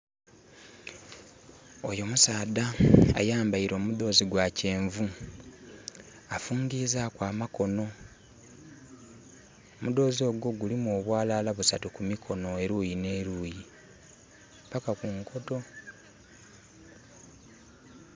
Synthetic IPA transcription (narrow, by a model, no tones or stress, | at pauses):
o̞jo̞musaːdaa̰jaːmbaiɾo̞ːmud̪o̞ːziɡwace̞ːɱvu | afuːɲɡiːzakwaːmako̞no̞ | omud̪o̞ːzio̞ːɡo̞ɡulimuoːβwaːlalaβusa̰tukumikʰo̞no̞eɾuːjine̞ːɾuːji | pakakuŋkʰo̞to̞